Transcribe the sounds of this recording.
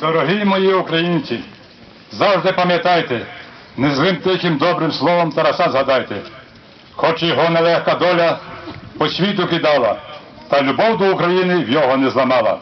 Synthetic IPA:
d̪ɔɾɔɦijmɔjiukɾɐjinʲt͡sʲi | zɑwʒd̪ɪpɐmʲjɐt̪ɑjt̪ɛ | nɛzlˠɪmt̪ɪjkɪmd̪ɔbɾɪmslˠɔʋɔmt̪ɐɾɐsɑzɦɐd̪ɑjt̪ɛ | xɔt͡ʃjɔɦɔnɛlˠɛxkɐd̪ɔlʲɐpɔsʲʋʲit̪ʊkʲid̪ɑlˠɐ̰t̪ɐlʲʊbɔwd̪ɔukɾɐjinɪwjɔɦɔnɛzlˠɐmɑlˠɐ̰

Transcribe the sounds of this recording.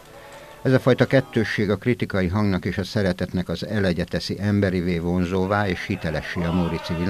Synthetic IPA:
ɛzɒfɒjt̪ɒkɛt̪ːøːʃːeːɡɒkrit̪ikɒjiɦɒŋɡnɒkeːʃɒsɛɾɛt̪ɛt̪nɛkɒzɛlɛɟɛt̪ɛsiʔɛmbɛɾiveːvo̞nzoːvaːeːʃhit̪ɛlɛʃiɒmoɾit̪sivil

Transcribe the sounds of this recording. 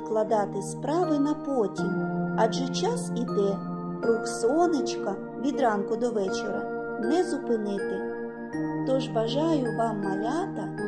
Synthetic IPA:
klˠɐd̪ɑt̪ɪspɾɑʋɪnɐpɔtʲimɑʒɛt͡ʃɑsid̪ɛ | rʊksɔnɪt͡ʃkɐ | ʋʲid̪ɾɑnkʊd̪ɔʋɛt͡ʃeɾɐ | nɛzʊpɪnɪt̪ɪ | t̪ɔʒʋɐʒɑjʊʋɑmːɐlʲɑt̪ɐ

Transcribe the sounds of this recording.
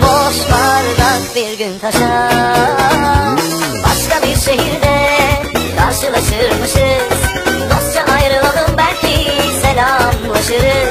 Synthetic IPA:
boʃbaɾɯɾakbiɾɡʲynt̪ʰaʃa | baʃkabiɾʃeɦiɾd̪ɛ | kʰaɾʃɯlˠaʃɯɾmɯʃɯ | d̪ost͡ʃʰaʔajɾɯlˠalˠɯmbæɾt̪ʰiselʲamlˠaʃɯɾ

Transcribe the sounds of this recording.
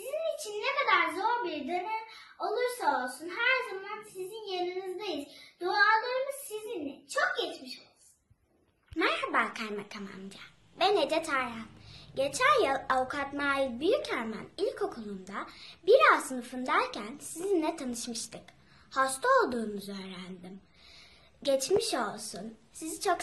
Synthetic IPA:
sizinit͡ʃʰinːekad̪aɾzo̞ɾbiɾd̪ø̞nɛm | o̞lˠuɾsao̞lˠsunhæɾzamansizinjanɯnɯzd̪ajizd̪oalˠɯɾmuzsizinlɛt͡ʃʰok̚jɛt͡ʃmiʃo̞lˠsunn | mæɾhabaːkʰajmakʰama̰md̪a | bɛned͡ʒɛt̪ʰaamɟet͡ʃʰænjɯlˠavukʰat̪maːilʲbyjycʰæɾmæ̰nilʲcʰo̞kʰulˠund̪abiɾazsɯnɯfɯnd̪æɾcʰænsizinlʲɛt̪ʰanɯʃmɯʃt̪ʰɯk | host̪ʰao̞lˠd̪uːnuzø̞ːɾænd̪im | ɟɛt͡ʃmiʃo̞lˠsunsizit͡ʃʰok

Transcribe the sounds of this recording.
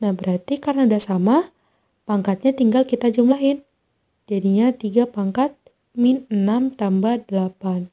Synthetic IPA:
nahbəɾart̪ikaɾnadasama | paŋkat̪̚ɲat̪iŋɡalkit̪ad͡ʒumlaɦɪn | d͡ʒadiɲat̪iɡapaŋkat̪̚ | minənamt̪ambahdəlapan

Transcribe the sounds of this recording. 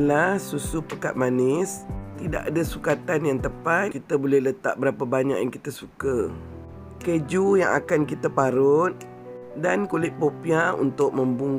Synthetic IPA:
lahsusupəkat̪̚manɪst̪ida̰ʔadasukat̪anjaŋt̪əpat̪̚kit̪abolɛhlət̪a̰ʔ̚bəɾapabaɲa̰ʔjaŋkit̪əsukə | ked͡ʒujaŋa̰kankit̪apaɾʊt̪̚ | dankolɪʔ̪̚popiaṵnt̪ʊk̚mə̃mbuŋ

